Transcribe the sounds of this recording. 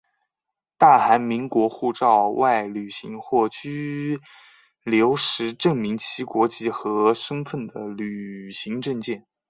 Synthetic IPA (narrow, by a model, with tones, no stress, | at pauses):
t̪a˥˩xa˧˥nmi˧˥ŋkwɔ˧˥xu˥˧ʈ͡ʂɑ˥˧ʊwa˥˩ɪly˨˩ɕi˧˥ŋxwɔ˥˩t͡ɕy˥ | ljo˧˥ʊʂɻ̩˧˥ʈ͡ʂɤ˥˩ŋmi˧˥ŋt͡ɕʰi˥kwɔ˧˥t͡ɕi˥˩xɤ˧˥ʂɤ˥ŋfə˥˩nd̪ə˩ly˨˩ɕi˧˥ŋʈ͡ʂɤ˥˧ŋt͡ɕjɛ˥˩n